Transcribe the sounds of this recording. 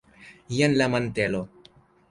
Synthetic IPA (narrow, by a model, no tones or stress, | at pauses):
ijənlamant̪elo